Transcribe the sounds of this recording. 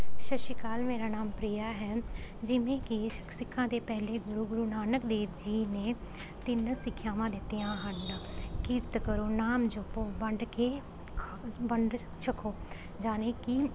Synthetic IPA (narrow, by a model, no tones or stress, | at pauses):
ʃəʃiːkaːlmeːɾaːnaːmpɾiːjaːɦɛːd͡ʒɪʋẽːkɪsɪkʰːãːd̪eːpɛːleːɡʊɾuːɡʊɾuːnaːnəkd̪eːʋd͡ʒiːneː | t̪ɪnəsɪkʰːjaːʋãːd̪ɪt̪ːejãːɦənkɪɾt̪kəɾoːnaːmd͡ʒʊpoːbəɳɖkeː | bəɳɖ | ʃəkʰoː | d͡ʒaːneːki